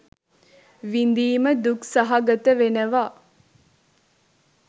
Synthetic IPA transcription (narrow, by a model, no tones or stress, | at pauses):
ʋind̪iːməd̪uksaɦaɡət̪əʋenəʋaː